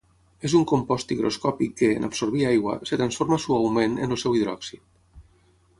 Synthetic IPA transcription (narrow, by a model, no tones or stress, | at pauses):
ezuŋkompɔst̪iɣɾo̰skɔpikːeːnʔa̰psoɾβiajɣwa̰set̪ɾansfoɾmasuawmenənlˠsɛwiðɾɔ̰ksit̪